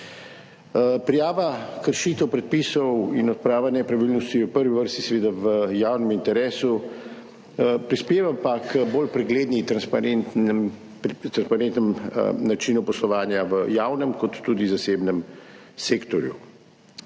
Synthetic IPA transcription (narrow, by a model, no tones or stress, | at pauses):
pɾijaːʋakəɾʃit̪ɛwpɾɛt̪̚pisɔwinɔt̪̚pɾaːʋanɛpɾaʋilnɔst̪iupəɾʋiʋəɾst̪i̥sɛʋeːd̪aʋəjaːwnɛmint̪ɛɾeːsu | pɾispeːʋapakʰəboːlpɾɛɡleːd̪nit̪ɾannt̪m | t̪ɾanspaɾẽnt̪nɛmnat͡ʃinupɔslɔʋaːnjaʋəjaːwnɛmkɔt̪ːud̪izaseːbnɛm | seːkt̪ɔɾjṵ